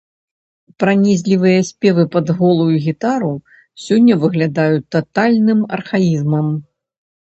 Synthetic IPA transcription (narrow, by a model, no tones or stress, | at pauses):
pɾanʲizʲlʲivɨjɐsʲpʲɛvɨpɐd̪ɣɔlˠujuɣʲit̪aɾu | sʲɔnʲːɐvɨɣlʲad̪ajut̪ːat̪alʲnɨmɐ̰rxajizmɐm